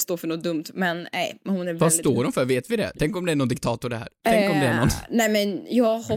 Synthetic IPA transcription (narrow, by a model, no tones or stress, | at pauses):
st̪oːɾfœɳɔt̪̚d̪ɵmt̪mɛnɛ̰jhʊnɛɾvvast̪oːɖɔmfœɾveːt̪vɪd̪ɛ̰t̪ʰɛŋkɔmd̪ɛænɔnd̪ɪkt̪ʰɑːt̪ʊɖɛhɦæ̰ːɾɾt̪ʰɛŋkkɔmdnɛænɔnnɛmɛnjɑːhɔ